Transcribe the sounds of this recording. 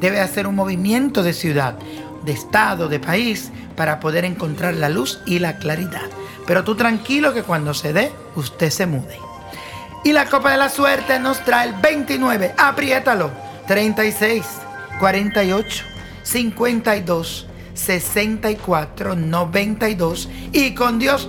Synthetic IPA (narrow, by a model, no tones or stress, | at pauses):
d̪e̞βe̞ase̞ɾuŋmo̞β̞imjẽ̞nt̪o̞ðe̞sjuðað | d̪est̪aðo̞ðe̞pais | paɾapo̞ðe̞ɾe̞ŋko̞nt̪ɾaɾlalusilaklaɾiðaðpe̞ɾo̞t̪ut̪ɾaŋkilo̞ke̞kwand̪o̞se̞ðe̞ | ust̪e̞se̞muðe | ilako̞paðe̞laswe̞ɾt̪e̞no̞st̪ɾaelbe̞jnt̪inweβe̞ʔapɾje̞t̪alo̞ | t̪ɾe̞jnt̪aisejs | kwaɾe̞nt̪aio̞t͡ʃo̥ː | iŋkwe̞nt̪aiðo̞sː | e̞se̞nt̪aikwat̪ɾo̞noβe̞nt̪aiðo̞s | iko̞nd̪jo̞s